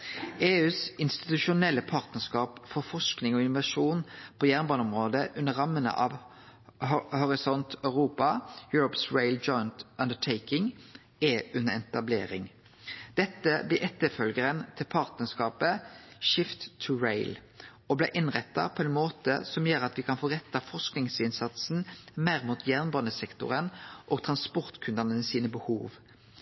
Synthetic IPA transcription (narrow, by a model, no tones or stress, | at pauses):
eːʉːsɪnst̪ɪ̥t̪ʉʃʊnɛlːəpʰɑːʁt̪nəskɑːpfɔfɔʂknɪŋɔɪnʊʋɑʂuːnpʰoːjæːʁnbɑnɔmʁoːd̪əʔʉnːəʁɑmːənə̰ʔɑʋ | hɔɾɪsɔnt̪ʰɑʉʁuːpɑjʉːɾɔpsɹeɪld͡ʒɔʏənt̪ɑnd̪əʈʰeɪkɪŋ | ɛːʉnəɛnɛt̪ɑbleːɾɪŋ | d̪̥ɛt̪ːəblɪːʔɛt̪ːəfœlɡəʁənt̪ʰɪlpʰɑʁt̪nəskɑːpəʃɪft̪ʰːʉɹeɪl | ɔblɛ̰ʔɪnʁɛt̪ːɑ̰pʰɔɛnmoːt̪ə̰sɔmjøːɾɑt̪ʋɪkʰɑnfoːʁɛt̪ːɑfɔʁsknɪŋsɪnsɑt̪sn̩mæɪʁmuːt̪ʰjæʁnbɑnəsɛkt̪ʊ̰ʁənʔoːɡt̪ʰʁɑnspɔʁt̪kʰʉnd̪ənəsiːnəbəhuːʋ